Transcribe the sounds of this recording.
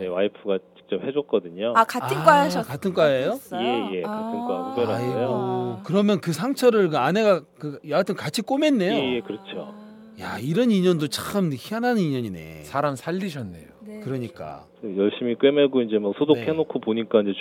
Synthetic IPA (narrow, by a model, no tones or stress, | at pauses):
newaipʰɯɡat͡ɕi̥k̚t͡ɕ͈ʌp̚he̞d͡ʑwʌk̚k͈ʌdɯɲoakaaɯnk͈ajkatʰɯnk͈ajejoejekatʰɯnkakʰubeɾaijookɯɾʌmjʌnkɯsʰaŋt͡ɕʰʌɾɯɭkɯane̞ɡakɯjʌaɭtʰɯnkat͡ɕʰik͈ome̞nːe̞joejekɯɾʌt͡ɕʰo̰ | ja̰iɾʌniɲʌndot͡ɕ͈aɯmçʰianɦanɯniɲʌɲinḛsʰaɾamsʰaʎːiɕʰʌnːe̞̰jokɯɾʌɲik͈a̰ | ʌjʌɭɕ͈imik͈wemeɡoind͡ʑe̞mʌksʰodokʰenokʰopoɲik͈aind͡ʑe̞